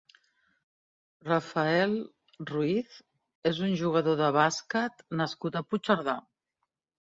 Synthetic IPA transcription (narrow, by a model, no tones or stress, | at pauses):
rafəɛlˠ | ruiθ | ezunʲʒuɣ̞əðoðəβ̞asket̪nəskut̪əput͡ʃəɾða